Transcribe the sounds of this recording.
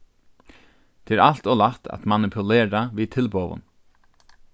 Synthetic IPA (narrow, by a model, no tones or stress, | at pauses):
t̪ʰeɛɛːɾʔal̥t̪ɔlat̪ʰa̰t̪manɪpʰʊleːɹaʋiːt̪ʰɪlpoːʋʊ̰n